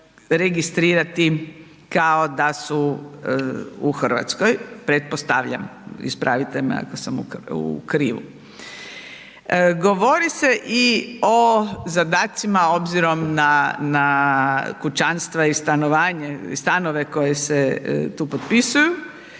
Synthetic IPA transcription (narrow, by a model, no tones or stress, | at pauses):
ɾeɡist̪ɾiːɾat̪i | kaod̪asu | uxr̩ʋa̰t̪skojpɾet̪̚post̪aʋʎa̰mḭspɾʔa̰ʋit̪em̰a̰kosamṵṵkɾiːʋṵ | ɡoʋo̞ɾiseʔiozad̪aːt̪simao̞bziɾo̞mnana | kut͡ʃanst̪ʋaist̪anoʋaːɲeḭst̪anoʋe̞ko̞jeset̪uːpot̪pisuju